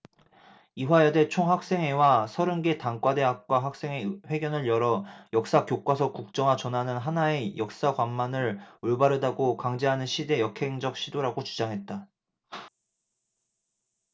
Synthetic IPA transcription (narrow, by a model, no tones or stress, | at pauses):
iwajede̞t͡ɕʰoŋɦak̚s͈e̞ŋe̞wasʰʌɾɯnɡe̞taŋk͈wade̞ɦak̚k͈waɦak̚s͈e̞ŋeɸwe̞ɡjʌnɯɭjʌɾʌjʌk̚s͈akjok͈wasʰʌkuk̚t͡ɕ͈ʌŋat͡ɕʌnɦanɯnɦanae̞jʌk̚s͈akwanmanɯɾoɭbaɾɯdaɡokaŋd͡ʑeɦanɯnɕʰide̞jʌkʰe̞ŋd͡ʑʌk̚ɕ͈ʰidoɾaɡot͡ɕud͡ʑaŋɦe̞t̚t͈a